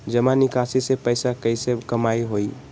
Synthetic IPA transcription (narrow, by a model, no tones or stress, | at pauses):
d͡ʒəmanikasisepəɪsakəɪsekəmaiɦoi